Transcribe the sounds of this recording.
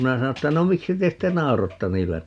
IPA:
minæ sɑno tːæ no miksi te sitːe nɑorotːɑ niːlːæ

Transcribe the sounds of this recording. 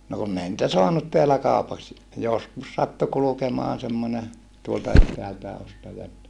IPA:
no kunː ei nĭtæ soɑnut teælæ kɑˑupɑks joskus sɑtːu kulukemoɑn semːone tuoltɑ etːæːltæː ostɑjɑ etːæ

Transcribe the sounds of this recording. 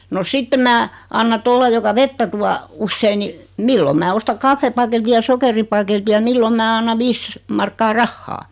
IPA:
no sitːe mæː ɑnːɑ toliɑ jokɑ ʋetːæ tuɑ usːei ni milːom̆ mæː ostɑ kɑfːepɑketi jɑ sokeripɑketi jɑ milːom mæː ɑnːɑ ʋiːs mɑrkːɑː rɑhːɑː

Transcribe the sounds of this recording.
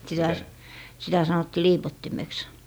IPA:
sitæ s sitæ sɑnotːi liːpotːimeks

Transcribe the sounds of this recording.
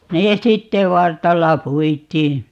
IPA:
neː sitːe ʋɑrtɑlːɑ puitˑiː

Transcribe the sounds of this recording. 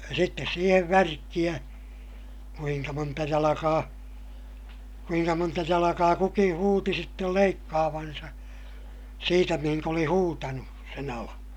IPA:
sitːes siːheʋ ʋærkːij̆æ kuiŋkɑ montɑ jɑlɑkɑː kuiŋkɑ montɑ jɑlɑkɑː kukĩː huːti sitːel leikːɑːʋɑnsɑ siːtæ mihiŋk oli huːtɑnu sen ɑlɑ̃ː

